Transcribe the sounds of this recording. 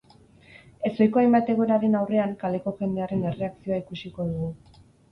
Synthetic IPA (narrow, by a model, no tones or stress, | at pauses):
e̞so̞jko̞ajmbat̪e̞ɣoɾaɾe̞nawre̞aŋkale̞ko̞ʝe̞nd̪e̞aɾe̞ne̞re̞aksio̞aikusiko̞ðuɣu